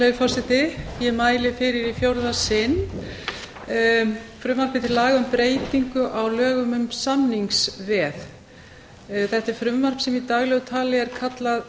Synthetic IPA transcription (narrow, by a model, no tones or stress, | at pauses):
lejfɔr̥sɪt̪ɪjɛmaːjlɪfɪɾɪɾifjowɾðasɪn | fɾʏmvaɾ̥pɪt̪ʰɪlːaːɣaʏmpɾeːjt̪iŋkʏʔawlœːɣʏmʏmsannːiŋksvɛð | θɛht̪ɛɾ̥fɾʏmvar̥psɛmit̪aɣlɛɣʏt̪ʰaːlɪɛɾ̥kʰat̪lað